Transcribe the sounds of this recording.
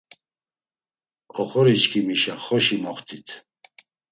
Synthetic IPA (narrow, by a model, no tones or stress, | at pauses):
ɔχɔɾit͡ʃkʰimiʃaχɔʃimɔχt̪ʰit̪ʰ